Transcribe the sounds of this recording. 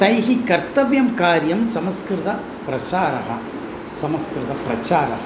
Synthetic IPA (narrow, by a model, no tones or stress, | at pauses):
t̪ɐjɦikɐɾt̪ɐʋjɐmkaːɾjɐmsɐmɐskɾɪðɐ | pɾɐsaːɾɐ̰ɦɐ | sɐmɐskɾɪðɐpɾɐt͡ʃaːɾɐ̰ɦɐ